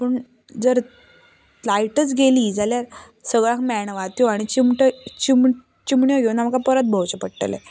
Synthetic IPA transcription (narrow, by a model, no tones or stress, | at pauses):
pəɳ | d͡zəɾ | lajʈət͡sɡʱeliːd͡zaljaɾ | səɡɭãkmɛɳʋat̪joaɽ̃it͡ɕimʈət͡ɕim | t͡ɕimɳjɔɡonam̤əkapəɾət̪̚bʱəwt͡ɕəpəɽʈḛlḛ